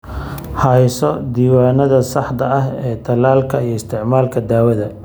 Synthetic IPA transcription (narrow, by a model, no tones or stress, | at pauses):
hɐjsɔd̪iːwaːnɐðɐsɑħd̪ɐɐɦɛːt̪ʰɐlaːlkʰɐijɞɪst̪ʰɪʕmaːlkʰɐd̪aːwɐðɐ